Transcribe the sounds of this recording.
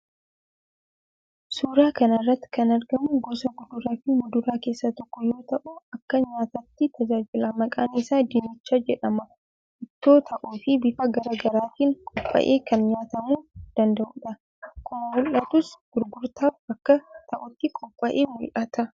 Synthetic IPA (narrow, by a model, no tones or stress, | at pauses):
suːɾaːkɐnɐrːɐt̪ːɪ̥kɐnɐɾɡɐmʊɡɔsɐɡʊd̪ʊɾaːfɪmʊd̪ʊɾaːke̞ːsːɐt̪ɔkːɔjo̞ːt̪ɐʔʊɐkːɐɲaːt̪ɐt̪ːɪt̪ɐd͡ʒaːd͡ʒɪlaːmɐkʼaːnisaːd̪ɪnɪt͡ʃːaːd͡ʒɛᶑɐmɐ | ʔɪt̪ːo̞ːt̪ʰɐʔuːfɪbɪfɐɡɐɾaːɡɐɾaːt̪iːnkʼʊpʼːɐ̰ʔe̞ːkɐnɲaːt̪ɐmuːd̪̥ɐnd̪ɐʔʊᶑɐ | kʰʊmɐmʊlʔɐt̪ʊsɡ̥ʊɾɡʊɾt̪aːfɐkːɐt̪ɐʔʊt̪ːɪkʼɔpʼːɐʔeːmʊlʔɐt̪ɐ